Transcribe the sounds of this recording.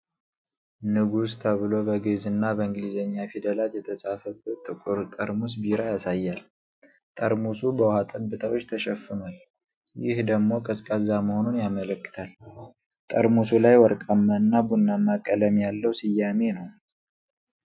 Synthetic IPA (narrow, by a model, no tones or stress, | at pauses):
nɨɡust̪ʰəβɨlo̞bəɡezɨnːabəɨŋɡlizəɲːafid̪əlat̪jɛt̪ʰəsafəbət̪ʼɨkʼuɾt̪ʼəɾmus̬biɾajasajːal | t̪ʼəɾmusubəwhat̪ʼənbɨt̪ʰəwot͡ʃːt̪ʰəʃɛfːɨnal | jɪhd̪əɡmo̞kʼəskʼəzaməho̞nunjamələkːɨ̥t̪ʰal | t̪ʼəɾmusulajwɔɾkʼamːaɨnːabunːamakʼːələmjalːəwsɪjːame̞nəw